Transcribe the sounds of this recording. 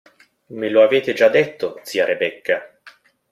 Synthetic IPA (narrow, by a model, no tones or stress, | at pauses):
meloaveːt̪ed͡ʒad̪ːet̪ːod̪siːaɾʔebɛkːa